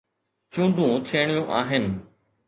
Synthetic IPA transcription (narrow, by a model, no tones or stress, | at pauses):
t͡ɕũːnd̪ʱũt̪ʰeːɽ̃ijũʔaːɦɪnɪ̆